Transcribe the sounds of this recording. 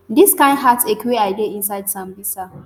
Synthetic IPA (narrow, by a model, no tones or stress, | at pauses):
dɪskãɪ̃nɦatsekʲweʔajdeʔɪnsajdsambɪsa